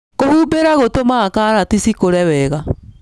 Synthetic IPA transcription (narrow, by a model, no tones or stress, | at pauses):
kohuːbeɾaɣotomaːkaɾatisikoɾɛwɛːɣa